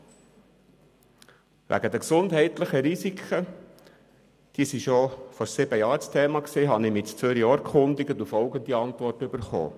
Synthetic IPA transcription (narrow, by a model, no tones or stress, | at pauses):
ʋʔæ̰ɡəd̪əksʊndɦɛɪt̪ləχəɾisikʰχə | d̥iəsiʃofɔɾsɪbəjɑːɾt͡st̪ʰeːmɑksiːɦɑnɪmɪt͡st͡søɾjɑːɾkχʊnd̪ɪɡət̪ufɔlɡənd̪iɑnt̪vʋɔrtybəɾχo̰ː